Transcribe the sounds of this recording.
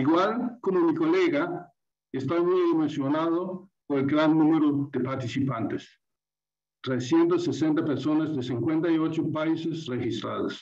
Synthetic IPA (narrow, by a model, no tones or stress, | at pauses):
iɣwalkomomikoleɣa | est̪amujðemensjonaðopoɾelɡɾanːũmeɾoðepaɾt̪isipant̪es | t̪ɾesjent̪osesent̪apeɾso̞nazðesiŋkwent̪aiot͡ʃopaisesrexist̪ɾa̰ða̰s